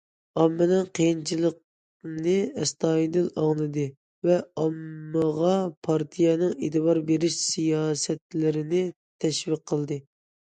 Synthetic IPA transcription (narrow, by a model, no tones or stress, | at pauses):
ɑmːɨnɨŋqʰijint͡ʃʰilˠəq̚ | nɨɛst̪ɑːid̪ɨlɑŋlˠɨd̪ɨ | vɛɑmːəʁɑpʰɑɾt̪ʰijɛnɨŋet̪ɨbɑɾbeɾɪʃsijɑːsɛt̪̚lɪɾɪnɪ | t̪ʰɛʃviq̚ʰːəlˠd̪ɨ